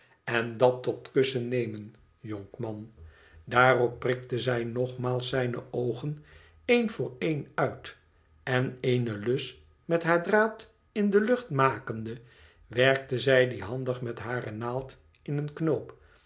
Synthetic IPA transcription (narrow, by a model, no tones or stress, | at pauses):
ɛndɑtːɔtkɵsənejmən | jɔŋkmɑn | daːrɔpːrɪktəzɛjnɔχmaːlˠsɛjnə̰ʔowχən | ejnvʊːɹejnœɥt | ɛnejnəlɵs | mɛtɦaːɹdraːt | ɪndəlɵχtmaːkəndə | ʋɛɹk̚təzɛjdiɦɑndəχmɛtɦaːrənaːlˠt | ɪnənknowp